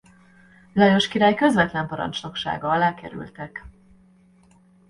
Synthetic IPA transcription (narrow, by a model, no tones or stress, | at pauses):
lɒjo̞ʃkiɾaːjkø̞zʋɛt̪lɛmpɒɾɒ̰nt͡ʃno̞kʃa̰ːɡɒɒlaːkɛ̰ɾy̰lt̪ɛk